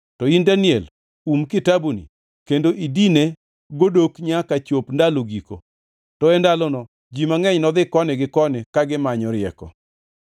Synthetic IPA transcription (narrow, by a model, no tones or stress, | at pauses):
tɔindanɪɛl | umkɪtabunḭ | kendoʔidine | ɡodokɲakat͡ʃopndaloɡiko̰ | tɔɛndalɔnɔ | d͡ʒimaŋɛɲnɔd̪ɪkɔnɪɡɪkɔnɪkaɡɪmaɲɔɾɪɛkɔ̰